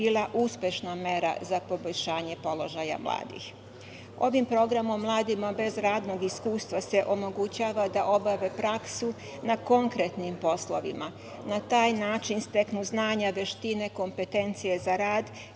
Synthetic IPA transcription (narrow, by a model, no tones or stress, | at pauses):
iːlˠaʔuspʲje̞ʃname̞ɾa̰zapo̞bo̞ʎʲʃaːɲe̞po̞lo̞ʒaja̰mlˠa̰ːd̪ḭx | o̞ʋimpɾo̞ɡɾamo̞mːlˠaːd̪imabe̞zɾaːd̪no̞ɡiskuːst̪ʋase̞ʔo̞mo̞ɡut͡ɕaːʋad̪aʔo̞baʋe̞pɾaksu | nako̞ŋkɾet̪nimpo̞slˠoʋḭma | nat̪aːjnaːt͡ʃinst̪e̞knuznaːɲaʋe̞ʃt̪ine̞ko̞mpe̞t̪e̞nt̪sije̞zaɾaːd̪